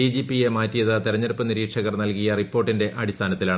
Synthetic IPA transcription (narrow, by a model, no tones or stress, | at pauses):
id͡ʑipijemaːtːijɐðɨt̪iɾɐɲːɐɾupːɨniɾiːʈʂɐɣɐrnɐlkijɐripːoːrʈːinde̞ʔɐɽist̪ʰaːnɐt̪ːilaːɳ